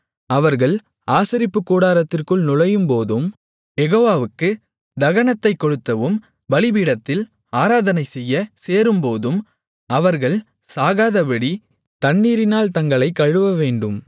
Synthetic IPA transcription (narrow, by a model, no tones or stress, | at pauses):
ɐʋɐɾɣɐɭ | aːsɐɾɪpːɯkːuːɽaːɾɐt̪ːɪrkɯɭnʊɻɐjɯmpoːðɯm | ɛɣoːʋaːʋɯkːɯ | d̪ɐɣɐɳɐt̪ːɐɪkːɔɽɯt̪ːɐʋɯm | bɐɭɪbiːɽɐt̪ːɪl | aːɾaːðɐnɐɪsɛjːɐseːɾɯmpoːðɯm | ɐʋɐɾɣɐɭ | saːɣaːðɐbɐɽi | t̪ɐɳːiːɾɪnaːlt̪ɐŋɡɐɭɐɪkːɐɻɯʋɐʋeːɳɖɯm